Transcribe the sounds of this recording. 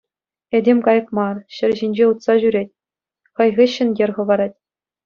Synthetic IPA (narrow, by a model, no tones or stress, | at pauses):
edʲemʲkɑjɤ̆kmɑrɕɘ̆rʲʑinʲd͡ʑeut̪sɑʑyɾʲet̚ʲ | χɤ̆jʁʲɘɕːɘ̆nɡʲĕrʁɤ̆ʋɑɾɑtʲ